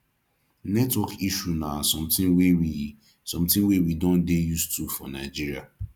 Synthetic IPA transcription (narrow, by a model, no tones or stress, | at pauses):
nɛtwɔkiʃunasɔ̃mtɪ̃ŋwewi | sɔ̃mtɪ̃ŋwewidõndejustufɔnaɪd͡ʒiɾia